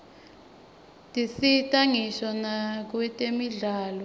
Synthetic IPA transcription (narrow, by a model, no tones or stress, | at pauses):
tʼisitʼaŋiʃanak̬wɛtʼemiɮaːlɔ